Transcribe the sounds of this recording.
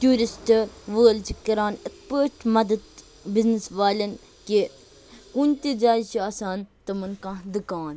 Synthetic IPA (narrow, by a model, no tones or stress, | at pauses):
t̪ʲjuːɾisʈʋəːlt͡ʃikɐɾaːnəkpəːʈmɐd̪ɐd̪ | bɪznisʋaːlɐn | ke | kunʲt̪ed͡ʒaːjt͡ʃiaːsaːnt̪ɐmɐnkãd̪ukaːn